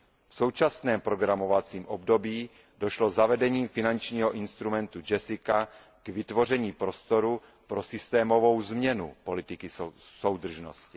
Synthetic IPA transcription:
fso̞wt͡ʃasnɛːmpɾoɡɾamovat͡siːmʔobdobiː | do̞ʃlozavɛdɛɲiːmfɪnant͡ʃɲiːɦoʔɪnst̪ɾumɛnt̪ud͡ʒɛsɪka | ɡ̥vɪt̪vo̞r̝ɛɲiːpɾo̞st̪o̞ɾu | pɾo̞sɪst̪ɛːmo̞vo̞wzmɲɛnṵpo̞lɪt̪ɪkɪsowd̪r̩ʒno̰scɪ

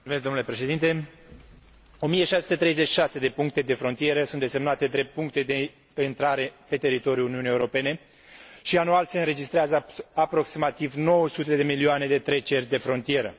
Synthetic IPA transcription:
ulsumeskd̪omnule̞pɾe̞ʃe̞d̪int̪e̞ | o̞mijeʃasesut̪et̪ɾejze̞t͡ʃi̥ʃase̞d̪e̞puŋk̚t̪e̞d̪e̞fɾo̞nt̪ije̞ɾəsunt̪d̪e̞se̞mnat̪ed̪ɾejpuŋkt̪e̞d̪e | int̪ɾaɾe̞pe̞t̪e̞ɾit̪o̞ɾjuuniunijeuɾo̞pe̞ne̞ | ʃianualse̞ɨnɾe̞d͡ʒist̪ɾeazəapɾo̞ksimat̪ivno̞wəsut̪e̞d̪e̞milioane̞d̪e̞t̪ɾe̞t͡ʃe̞rʲd̪e̞fɾo̞nt̪ije̞ɾə

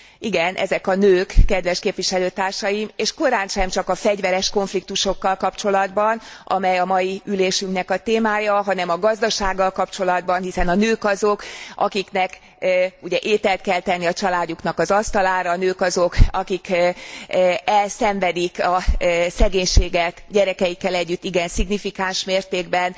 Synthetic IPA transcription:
iɡɛnʔɛ̰zɛkɒnøːkːɛd̪ʋɛʃkeːpvʋiʃɛløːt̪aːrʃɒjimeːʃko̞ɾaːnʃɛmt͡ʃɒkɒfɛɟʋɛɾɛʃko̞ɱflik̚t̪uʃo̞kːɒlkɒpt͡ʃo̞lɒd̪bɒnʔɒ̰mɛjɒmɒjiyleːʃyŋknɛkɒt̪eːmaːjɒɦɒnɛmɒɡɒzd̪ɒʃaːɡːɒlkɒpt͡ʃo̞lɒd̪bɒnɦisɛnɒnøːkɒzokʔɒ̰kiknɛk | uɟɛʔeːt̪ɛlt̪̚kɛlt̪ɛnːiɒt͡ʃɒlaːduknɒkɒzɒst̪ɒlaːɾɒːnøːkɒzokɒkik | ɛlsɛɱvɛd̪ikɒsɛɡeːɲʃeːɡɛt̪ɟɛɾɛkɛjikːɛlɛɟːyt̪ːiɡɛnsiɡnifikaːnʃmeːrt̪eːɡbɛn

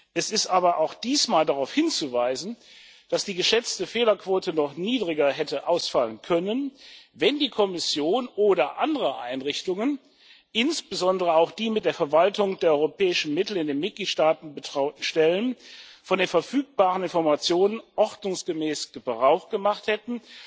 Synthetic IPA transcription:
ʔɛsɪstʔaːbɐʔaʊxd̥iːsmaːldaʁaʊfhɪnt͡suvaɪzn̩ | d̥asd̥iːɡəʃɛt͡stəfeːlɐkv̥oːtənɔχniːdʁɪɡɐɦɛtəʔaʊsfalənkʰœnənvɛndiːkʰɔmɪsjoːnʔoːɾɐʔandəʁəʔa̰ɪnʁɪçtʊŋən | ʔɪnsb̥əzɔndəʁəaʊxd̥iːmɪt̚d̥eːɐfɛɐvaltʊŋdeːɐɔʏʁopʰɛːɪʃn̩mɪtl̩ɪndeːnmɪt̚ɡ̥liːtʃtaːtn̩bəʃtɛlənfɔndeːnfɛɐfyːk̚b̥aːʁənɪnfɔɐmat͡sjoːnənʔɔʁtnʊŋsɡ̥əmɛːsɡ̥əbʁaʊχɡ̥əmaχthɛtn̩

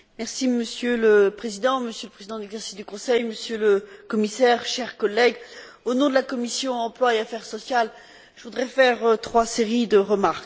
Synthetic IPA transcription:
mɛʁsiməsjøləpχezid̪ɑ̃məsjøləpχezid̪ɑ̃d̪lɛɡzɛʁsi̥sd̪ykɔ̃sɛjməsjøləkɔmisɛʁʃɛʁkɔlːɛɡ | onɔ̃d̪əlakɔmisjɔ̃ɑ̃plwaeafɛʁsɔsjal | ʒəvud̪ʁɛfɛʁt̪χwaseʁid̪əʁəmaʁk

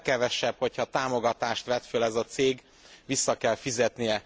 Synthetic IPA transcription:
kɛvɛʃɛbho̞chɒt̪aːmo̞ɡɒt̪aːʃt̪ʋɛt̪følɛzɒt̪seːɡ | ʋisːɒkɛlfizɛt̪nijɛ

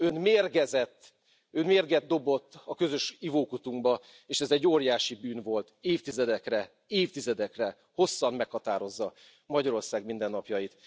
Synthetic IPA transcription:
ø̞nmeːrɡɛzɛt̪ː | ønmeːrɡɛd̪̚d̪o̞bo̞t̪ːɒkø̞zø̞ʃivoːkut̪uŋɡbɒ | eːʃɛzɛɟːoːrjaːʃibyːnvo̞lt̪eːft̪izɛd̪ɛkrɛ | eːft̪izɛd̪ɛkrɛ | ho̞sːɒnmɛkhɒt̪aːɾo̞zːɒ | mɒɟɒɾo̞rsaːɡmind̪ɛnːɒpjɒjit̪

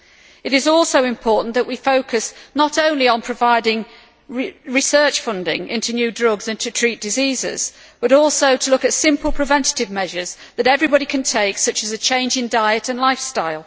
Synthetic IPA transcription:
ɨɾɨzɔlˠsoʊɨ̃mpʰɔɹʔn̩ðəʔwifoʊkʰɨsnəɾõʊ̃nliə̃npʰɹ̥ɨvaɪɾɪ̃ŋ | ɹɨsɜ˞t͡ʃfʌ̃ndɪ̰̃ŋɪ̰̃ntʰʉnjʉdɹʌɡzɪ̃ntʰɨtʰɹ̥it̚d̥ɨzizɪ̰z̥ | b̥ʌɾɔˑlˠsoʊɾʰəlʊkɨtsɪ̃mpəl̩ˠpʰɹ̥ɨvɛ̃ntɨ̥ɾɨvmɛʒə˞zðɨɾɛvɹibɑɾikʰɨ̃ntʰeɪksʌt͡ʃɨzɨt͡ʃʰẽɪ̃nd͡ʒɨ̃ndaɪɨɾɨ̃nlaɪfstaɪlˠ

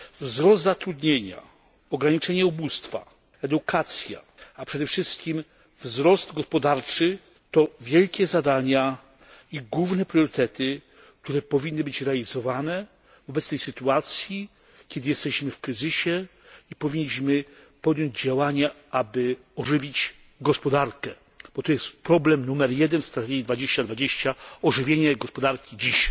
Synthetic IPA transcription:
vzɾɔsd̪zat̪ɾud̪ɲeɲa̰ | ɔɡɾaɲit͡ʂɛɲɛubust̪fa̰ | ɛd̪ukat̪sʲja̰ | apʂɛd̪ɛfʂɘst̪̚kʲim | vzɾɔsd̪ɡɔspɔd̪aɾt͡ʂɘ | t̪ɔvʲjɛlkʲɛzad̪aɲa | iɡwuvnɛpɾjɔɾɘt̪ɛt̪ɪ | k̚t̪uɾɛpɔvʲinːɨbɘt͡ɕɾɛalʲizɔvanɛ | vɔbɛt̪st̪ɛjsɘt̪uat̪sʲji | kʲɛd̪ɘjɛst̪ɛɕmɘfkɾɘzɘɕɛ | ipɔvʲiɲːiɕmɘ | pɔd̪jɔɲd͡ʑd͡ʑawaɲa | abɘ | ɔʐɘvʲit͡ɕ | ɡɔspɔd̪aɾkɛ | b̥ɔt̪ɔjɛst̪pɾɔblɛmnumɛɾjɛd̪ɛnst̪ɾat̪ɛɡʲid̪vad͡ʑeɕt͡ɕad̪vad͡ʑeɕt͡ɕaɔʐɘvʲjeɲɛɡɔspɔd̪aɾkʲid͡ʑiɕ

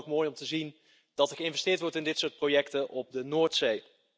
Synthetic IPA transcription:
kmoːjɔmtəzin | d̥ɑtɛɹχəɪnvɛstɪːɹtʋɔɹtɪndɪtsʊːɹt̚projɛktənʔɔb̚dənoːɹtsej

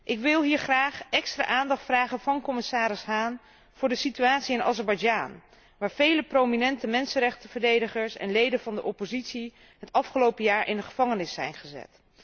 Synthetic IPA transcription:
ʔɪkʋɪlˠɦiːɹχraːχɛkstra̰ːʔaːndɑχtfraːχənvɑnkɔmɪsaːɾɪsɦaːn | v̥ʊːɹdəsityaːtsiɪnɑ̰zɛɹbɑjd͡ʒaːn | ʋaːɹv̥ejləprowminɛntəmɛnsənɾɛχtəv̥əɹdejdəχəɹsɛ̰nlejdənvɑndəʔɔpozitsi | ɦətɑfχəlowpəjaːɹʔɪndəχəv̥ɑŋənɪsɛ̰jnχəzɛ̰t

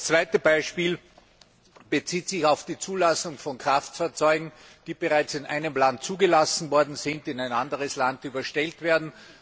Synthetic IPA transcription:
st͡sv̥aɪtəbaɪʃpiːl | b̥ət͡siːtsɪçaʊfd̥iːt͡suːlasʊŋfɔnkʁ̥aftfaɐt͡sɔʏɡŋ̩ | d̥iːb̥əʁaɪt͡sɪnʔa̰ɪnəmlantt͡suːɡəlasn̩vɔɐdn̩zɪntɪnaɪnʔandəʁəslandyːbɐʃtɛltv̥eːɐdn̩

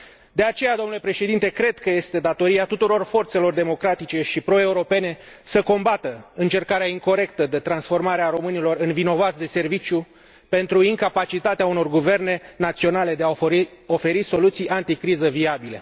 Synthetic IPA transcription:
d̪e̞at͡ʃe̞jad̪onule̞pɾe̞ʃe̞d̪int̪e̞kɾe̞d̪kəje̞st̪e̞d̪at̪o̞ɾiat̪ut̪uɾo̞rfo̞rt̪se̞lo̞rd̪e̞mo̞kɾat̪it͡ʃe̞ʃipɾo̞e̞uɾo̞pe̞ne̞səko̞mbat̪əɨnt͡ʃe̞rkaɾeaiŋko̞ɾe̞k̚t̪əd̪e̞t̪ɾansfo̞rmaɾeaɾo̞mɨnilo̞rɨnvino̞vat̪sd̪e̞se̞rvit͡ʃʲju | pe̞nt̪ɾuiŋkapat͡ʃit̪at̪eauno̞rɡuve̞rne̞nat̪sio̞nale̞d̪e̞aio̞fe̞ɾiso̞lut̪sijʔant̪ikɾizəviabilḛ

